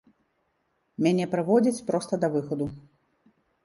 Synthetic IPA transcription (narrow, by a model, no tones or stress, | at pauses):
mʲanʲɛpɾɨvɔd͡zʲit͡sʲpɾɔst̪ɐd̪ɐvɨxɔd̪u